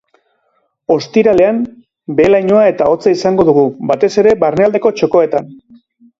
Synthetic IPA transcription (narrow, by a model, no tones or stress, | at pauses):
o̞st̪iɾale̞am | be̞lajɲo̞ae̞t̪ao̞t͡saisaŋɡo̞ðuɣ̞ubat̪e̞se̞ɾe̞βarneald̪e̞ko̞t͡ʃo̞ko̞e̞t̪an